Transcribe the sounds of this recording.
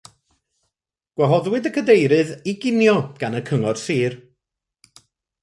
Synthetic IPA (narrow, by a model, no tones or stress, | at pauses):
ɡ̥wɛɦɔðwɨdəkʰədejɾɨðiɡɪnjɔɡ̥anəkʰəŋɔrsiːr